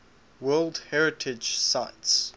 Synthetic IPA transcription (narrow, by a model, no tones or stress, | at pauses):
wɜːlˠdhɛɹɪtʰɪd͡ʒsaɪts